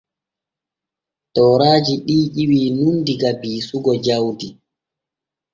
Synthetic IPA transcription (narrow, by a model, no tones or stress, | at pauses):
tɔːɾaːd͡ʒiɗiːʔiwiːnundiɡabiːsuɡɔd͡ʒawdi